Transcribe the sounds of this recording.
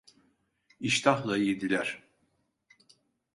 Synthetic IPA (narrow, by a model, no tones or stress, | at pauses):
iʃt̪ʰaxlˠaid̪ilʲæɾ̥